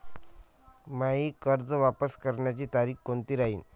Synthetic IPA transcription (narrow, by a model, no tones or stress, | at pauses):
maɦiːkəɾd͡zʋapəskəɾɳjat͡ɕiːt̪aɾiːkkont̪iːɾaɦiːn